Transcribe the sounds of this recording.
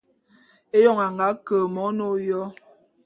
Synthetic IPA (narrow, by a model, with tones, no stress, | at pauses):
e˦jɔ˦˨ŋa˨ŋa˨˦kə˨mɔ˨˦no˦jɔ˦